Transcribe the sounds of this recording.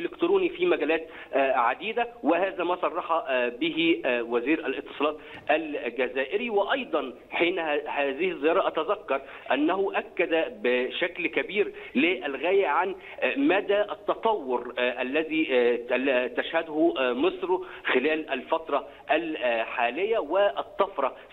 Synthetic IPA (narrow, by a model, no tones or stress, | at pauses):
ʔelɪkt̪ɾuːnifiːmæɡæːlæːt̪ | ʔʕad̪iːd̪æwɪhæːzæːmæːsˤɑrˤːɑħɑbɪɦiwæziːɾælʔɪt̪ːɨ̥sˤɑːlɑːt̪ | ʔælɡæzæːʔɪɾiwɪʔɑjd̪ˤɑn | ħiːnhæhæːzɪhɪzːɪjɑːɾˤɑʔæt̪æzækːɑɾˤ | ʔænːæɦʊʔækːæd̪æbɪʃæklkæbiːɾlɪʔælɣæːjæʕan | mæd̪æːʔæt̪ːɑt̪ˤɑwːʊɾʔælːæziː | t̪æʃhæd̪hʊmɨsˤɾoxɪlæːlʔælfɑt̪ɾˤɑ | ʔælħaːlɪjːæwɪʔɑt̪ˤːɑfɾˤɑ